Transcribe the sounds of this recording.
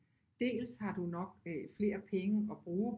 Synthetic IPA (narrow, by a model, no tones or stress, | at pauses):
d̥e̝̰ːlshɑ̈d̥unɒ̽ɡ̥̚fle̝̰ːɐpʰeŋəɒ̽b̥ʁuː